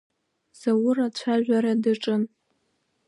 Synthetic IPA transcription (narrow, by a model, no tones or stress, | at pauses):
z̥awʊrat͡ɕʷʰaʒᶣʷaɾadɨʈ͡ʂʼɨn